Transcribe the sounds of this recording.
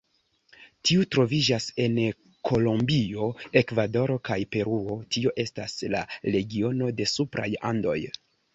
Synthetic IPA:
tiutɾo̞vid͡ʒase̞n | kʰo̞lombio̞e̞kvado̞ɾo̞kajpe̞ɾuo̞tio̞ʔe̞stasla̰le̞ɡio̞no̞de̞supɾa̰ja̰ndo̞̰j

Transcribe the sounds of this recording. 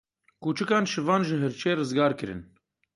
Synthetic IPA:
kuːt͡ʃɨkɑːnʃɨvɑːnʒɨɦɨɾt͡ʃʰeːrɨzɡɑːɾkɨɾɨ̰n

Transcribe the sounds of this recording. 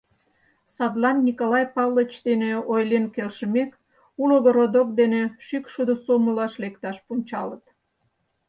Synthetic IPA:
sɑd̪lɑnːʲikolɑjpɑwlət͡ɕd̪eneojlenkelʃəmek | uloɣoɾod̪ok̚d̪eneʃykʃud̪osoməlɑʃlekt̪ɑʃpunʲt͡ɕɑlət̪

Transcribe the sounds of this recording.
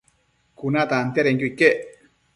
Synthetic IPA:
kunat̪ant̪jaɾeŋkuikːeʔ

